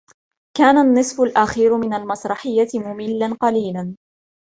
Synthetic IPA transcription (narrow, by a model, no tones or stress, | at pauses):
kaːnanːɨsˤfʊlʔaxiːɾʊmɪnalmɑsɾˤɑħɪjːat̪ɪmʊmɪlːanqɑliːlan